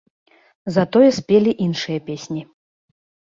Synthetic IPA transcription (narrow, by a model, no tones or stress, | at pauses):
zɐt̪ɔjɛsʲpʲelʲiʔinʂɨjɐpʲesʲnʲi